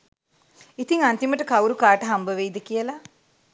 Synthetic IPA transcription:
it̪iŋant̪iməʈəkawɾukaːʈəɦambəʋeid̪əkijəla

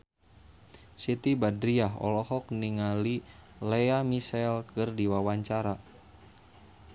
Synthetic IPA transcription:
sit̪ibadɾiaɦɔ̰lɔhɔk̚niŋalilɛamisɛlkɨrdiwawaɲt͡ʃaɾa

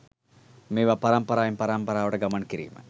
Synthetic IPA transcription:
meːʋapɐɾɐmpɐɾaːjimpɐɾampɐɾaːʋɐʈəɡamɐnkiɾḭːmə̰

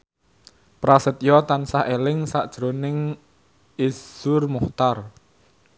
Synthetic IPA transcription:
pɾasət̪̚jɔt̪ansaʔelɪŋsaʔd̥ʒ̥ɾonɪŋ | iz̥ʊrmuht̪ar

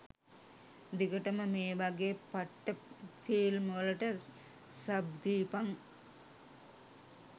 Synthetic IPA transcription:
d̪iɡəʈɐməmeːʋɐɡeːpɐʈːəfiːlmolɐʈə | sɐbd̪iːpɐŋ

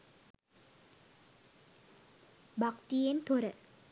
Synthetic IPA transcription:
bʱɐkt̪ijent̪oɾɨ

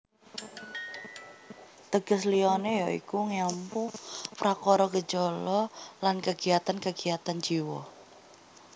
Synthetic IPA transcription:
t̪əɡ̥əsliɔnejɔḭkuŋɛmpupɾakɔɾɔɡə̥d͡ʒ̥ɔlɔlankəɡ̥iat̪ankəɡ̥i̤at̪and͡ʒiwɔ̰

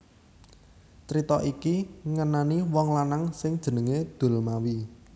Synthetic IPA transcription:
t͡ʃɾit̪ɔʔikiŋənaniwɔŋlanaŋsɪŋd̥ʒ̥ə̤nəŋed̪̥o̤lmawi

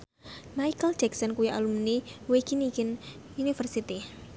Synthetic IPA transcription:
majkəld̥d͡ʒ̥ɛksɔnkuwiʔa̰lumniwekinikɪn | unifərsit̪i

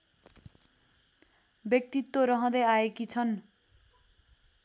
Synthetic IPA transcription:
bjʌk̚t̪it̪ːoɾʌɦʌ̃d̪ʌjaekit͡sʰʌn

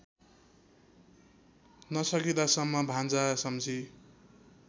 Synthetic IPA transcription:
nʌsʌkit̪asʌmːʌbʱãnd͡zasʌmd͡zʱi

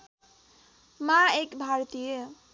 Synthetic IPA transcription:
maekbʱaɾt̪ije

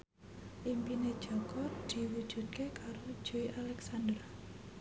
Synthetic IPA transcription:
ʔimpined̥ʒ̥ɔ̤kɔrd̪̥i̤wud̥ʒ̥ṳt̪̚kekaɾod̥ʒ̥o̤iʔalɛksand̪ər

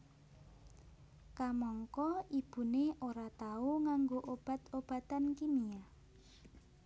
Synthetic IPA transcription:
kamɔŋkɔib̥ṳneoɾat̪auŋaŋɡoʔob̥a̤t̪ob̥a̤t̪ankimia

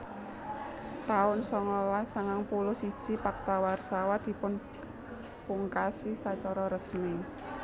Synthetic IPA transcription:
t̪aʊnsɔŋɔlasaŋaŋpulʊhsi̥ʒ̥i̤pak̚t̪awarsawad̪̥i̤pʊn | puŋkasisat͡ʃɔɾɔɾəsmi

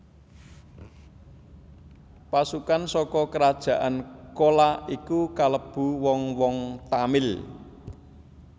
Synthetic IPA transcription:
pasukansɔkɔkəɾad̥ʒ̥ä̤ʔankolaikukaləb̥ṳwɔŋwɔŋt̪amɪl

